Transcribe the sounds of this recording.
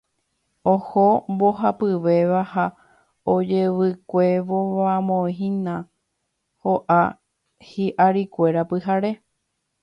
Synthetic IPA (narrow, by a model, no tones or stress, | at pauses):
ohombo̞ɦapɨʋe̞ʋaha | od͡ʒeʋɨkʷe̞ʋoamõĩɦĩnã | hoʔa | hiʔaɾikʷe̞ɾapɨɦaɾe̞